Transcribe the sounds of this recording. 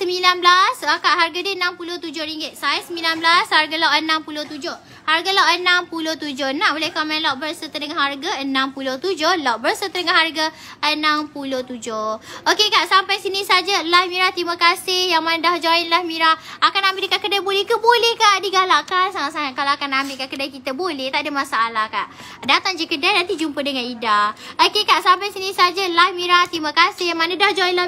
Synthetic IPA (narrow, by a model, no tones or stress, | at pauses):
səmilanblasakaʔɦarɡadəənãmpulʊht̪ud͡ʒʊhɾiŋɡɪt̪̚sajasəmbilanblasharɡalaʔənãmpulʊht̪ud͡ʒʊh | harɡalaʔənampulʊht̪ud͡ʒʊhnãʔolɛhkɔmɛ̃nlaʔbərsət̪ənəŋahɦarɡaənãmpulʊht̪ud͡ʒʊhlaʔ̚bərsət̪ənəŋahɦarɡa | ənãmpulʊht̪ud͡ʒʊhokekaʔsampajsinĩsad͡ʒalahmĩɾaht̪imakasɪhjaŋmanədahd͡ʒoinlahmiɾahakanambɪldəkaʔkədajbolɛhkəbolɛhkaʔdiɡalakansaŋat̪̚saŋat̪̚kalaakanambɪlkaʔkədajkit̪əbolɛht̪aʔdəmasaːlahkaʔ | dat̪aŋd͡ʒəkədanãnt̪̬id͡ʒumpədəŋanidaokekaʔsampajsinisad͡ʒalahmiɾaht̪iməkasɪmanadahd͡ʒoinla